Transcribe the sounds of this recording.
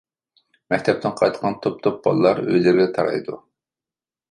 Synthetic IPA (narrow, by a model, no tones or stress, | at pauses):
mɛk̚ʲt̪ʰɛp̚t̪ʰɪnqʰɑjt̪qʰɑnt̪ʰop̚t̪ʰop̚b̥ɑ̰lˠːɑɾø̰jlɪɾɡʲɛt̪ʰɑɾɑ̰jd̪u